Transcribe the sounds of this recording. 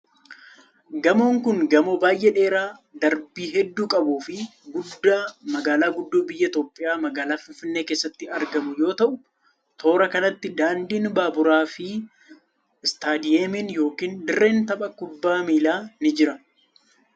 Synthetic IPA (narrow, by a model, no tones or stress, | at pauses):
ɡɐmoːŋkʊŋɡɐmobaːjʔɛᶑe̞ːɾaːd̪ɐɾbiːɦɛd̪ːuːkʼɐbuːfɪɡʊd̪ːaːmɐɡaːlaːɡʊd̪ːuːbɪjːɐɪt̪joːpʼːɪjaːmɐɡaːlaːfɪnfɪnːe̞ːke̞ːsːɐt̪ːɪɐɾɡɐmʊjo̞ːt̪ɐʔʊ | t̪ʰo̞ːɾɐkɐnɐt̪ːɪd̪aːnd̪iːnbaːbʊɾaːfɪ | ɪst̪aːd̪ɪjeːmɪnjo̞ːkiːnd̪ɪrːe̞ːnt̪ɐpʼɐkʊbːaːmiːlaːnɪd͡ʒɪɾɐ